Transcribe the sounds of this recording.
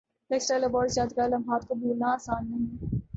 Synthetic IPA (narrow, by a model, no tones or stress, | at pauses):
eːksʈɾalebɔːɾsjaːd̪ɡaːlɐmɦaːt̪kobuːlnaaːsaːnːɐɦĩ